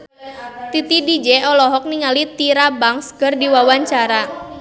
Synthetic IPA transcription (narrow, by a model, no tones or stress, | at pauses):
t̪it̪idid͡ʒɛɔlɔɦɔk̚niŋalit̪iɾabaŋskərdiwawaɲt͡ʃaɾa